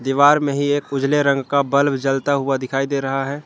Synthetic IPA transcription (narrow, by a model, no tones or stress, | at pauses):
d̪iʋaːɾmẽɦieːkʊd͡ʒleɾə̃ŋɡkabɐlbd͡ʒəlt̪aɦʊad̪ɪkʰaːid̪eːɾɐɦaɦɛː